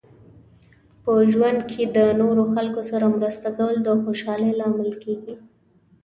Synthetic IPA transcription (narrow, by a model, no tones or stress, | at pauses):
pəʒwand̪̚kʰed̪ənoɾoxalkosaɾamɾəst̪aɡawld̪əxoʃɑlejlɑmɪlkeɡi